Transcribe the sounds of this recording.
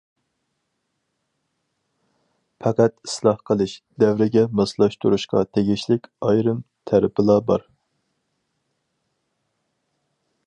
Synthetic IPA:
pʰɑqæt̪i̥slˠɑhqʰəlˠɨʃd̪ɛwɾɪɡʲɛmɑslˠɑʃt̪ʰuɾuʃqʰɑ̰t̪ʰeɡʲiʃlɪkʲɑjɾɨmt̪ʰæɾɪpʰɨlˠɑbɑ̰ɾ

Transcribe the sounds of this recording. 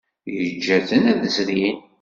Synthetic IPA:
jəd͡ʒːæθənæðəzɾin

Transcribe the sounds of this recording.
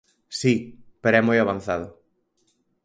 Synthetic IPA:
sipeɾoɛmojaβan̟θaðʊ

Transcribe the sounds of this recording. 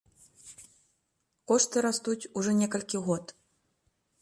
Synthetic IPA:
kɔʂt̪ɨɾast̪ut͡sʲuʐɔnʲɛkɐlʲkʲiɣɔt̪

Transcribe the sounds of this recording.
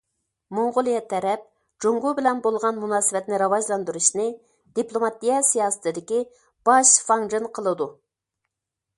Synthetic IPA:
moɴʁʊlˠijɛt̪ʰːɛɾɛp̚ | d͡ʒoŋɡubɪlɛnbolˠʁɑnmunɑːsɨvɛt̪nɪɾɑwɑʒlˠɑnd̪uɾuʃnɨ | d̪̥iplˠomɑt̪ijɛsijɑːsɨ̥t̪ɨd̪ɪkʲi | b̥ɑʃfɑŋʒɨnqʰəlˠɨd̪u

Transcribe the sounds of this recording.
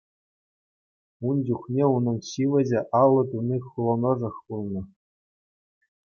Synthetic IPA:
und͡ʑuχnʲeunɤ̆nɕiʋʲɘ̆d͡ʑɘ̆ʔɑlˠːɤ̆t̪unʲiχulˠɤ̆nɤ̆ʐɤ̆χpulˠnɤ̆

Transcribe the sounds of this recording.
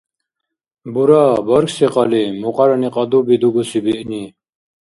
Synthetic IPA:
buɾaːbɔɾkseqɑlimuqɑɾɐniqɑd̪ubid̪uɡusibiʔni

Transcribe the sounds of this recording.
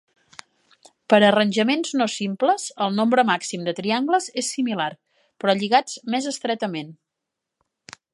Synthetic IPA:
pəɾərənʲʒəmenznosimpləzəlˠnombɾəmaksimd̪ət̪ɾiaŋɡləzesːimilar | pɾɔʎiɣat͡smezəst̪ɾɛt̪əmen

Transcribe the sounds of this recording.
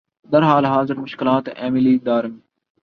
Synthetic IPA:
d̪ɐɾɦaːlɦaːzɪɾmʊʃkɪlaːt̪ɛ̰ːmɪliːd̪aːɾmː

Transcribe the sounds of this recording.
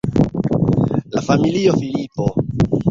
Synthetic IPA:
lafamiliofilipo

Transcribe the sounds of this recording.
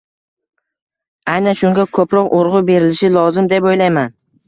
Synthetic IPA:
ajnanʃʊŋɡʲakʰɵpɾɒqoɾʁʊbe̞ɾɪlɪʃɪlˠɒzɪmd̪epojlajman

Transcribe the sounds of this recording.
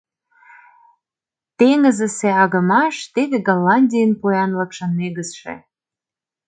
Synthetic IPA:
t̪eŋə̆zə̆seɑɣə̆mɑʃt̪eβeɡɑlːɑnʲdʲijənpujɑnlɤ̆kʃə̆nmeɣəsʃḛ

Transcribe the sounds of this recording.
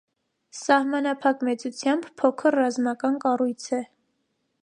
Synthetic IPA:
sɑhmɑnɑpʰɑkmɛt͡sut͡sʰjɑmbpʰːɔkʰəɾːɑzmɑkɑnkɑrujt͡sʰɛ

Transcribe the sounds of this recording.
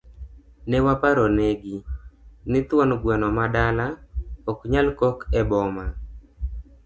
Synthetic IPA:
nɛwapaɾoneɡinɪt̪wɔnɡwɛnɔmadalaɔkɲalkɔkɛbɔma

